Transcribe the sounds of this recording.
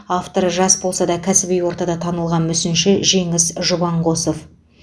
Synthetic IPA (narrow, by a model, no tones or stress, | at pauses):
ɑft̪o̞ɾəʒɑsbo̞lˠsɑd̪ɑkʲʰæsɪbijwo̞ɾt̪ɑd̪ɑt̪ʰɑnəlˠʁɑnmʏsɪnʃɪʒe̞ŋɪsʒʊbɑɴʁo̞sof